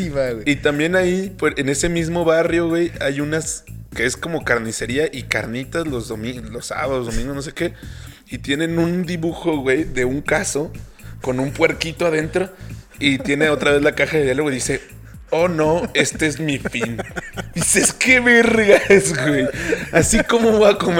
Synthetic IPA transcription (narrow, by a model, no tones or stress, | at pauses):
iβaeit̪ambje̞naipoene̞se̞mizmo̞βarjo̞ɣwe̞jajunaske̞esko̞mo̞kaɾnise̞ɾiaʔika̰ɾnit̪azlo̞zðomilosa̰βaðozðo̞mĩŋɡonose̞ke̞ | it̪je̞nẽ̞nund̪iβuxo̞ɣwe̞jðe̞uŋkaso̞ko̞nũmpwe̞ɾkit̪o̞aðe̞nt̪ɾo̞ | it̪je̞ne̞o̞t̪ɾaβe̞zlakaxaðeðjalweðise̞ | ono̞e̞st̪eezmifiniseske̞βe̞ɾɣazɣwejasiko̞mo̞βoakom